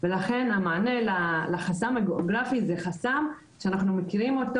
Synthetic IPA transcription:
velaχe̞namaːne̞lalaχasamaɡeoɡʁafizeχasam | ʃeanaχnumekiʁimo̞t̪

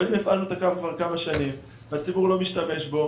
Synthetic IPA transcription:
nimefʔalnut̪akavkvaʁkamaʃanim | veat͡sibuʁlo̞miʃtame̞ʃbo̞

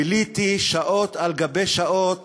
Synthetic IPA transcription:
ilit̪iʃaʔo̞t̪alɡabejʃaʔot̪

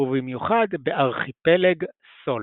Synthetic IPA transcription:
uvimjuχad̪beʔaʁχipeleɡ | so̞l

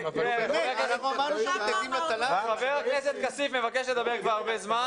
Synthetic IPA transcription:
kenuleanaχnuamaʁnuʃeaɡimlat̪alaχaveʁakneset̪̚kasifmevakeʃled̪abeʁkvaʁaʁbezma

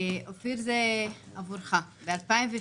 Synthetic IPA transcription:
ofiɾzɛavuɾχabɪalpaɪmve

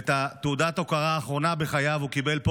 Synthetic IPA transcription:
t̪at̪eud̪at̪o̞kaʁaːχʁo̞nabeχajavukibe̞lp

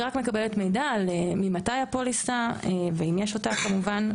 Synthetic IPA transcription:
ʁakmekabeletmejdalemimatajapolisaeveimjeʃotaχkamuvan

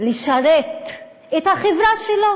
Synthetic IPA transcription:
liʃaɾet̪ | et̪haχevɾaʃelo

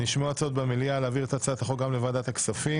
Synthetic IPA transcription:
niʃmoat͡sot̪bemelialeːviʁet̪at͡sat̪aχoɡamlevad̪at̪aksafi

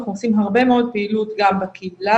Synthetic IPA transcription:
χnuosimɦaʁbe̞meo̞d̪̚peilut̪ɡambakʰibla

